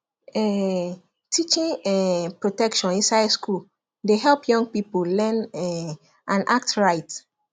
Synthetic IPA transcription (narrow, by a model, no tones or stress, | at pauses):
ɛ | tʰit͡ʃĩŋɛpɹotɛkʃɔ̃nĩnsaɪdskul | deɦɛlˠpjɔ̃ŋpipollɛ̃nɛ | ʔãnʔa̰k̚tɹaɪt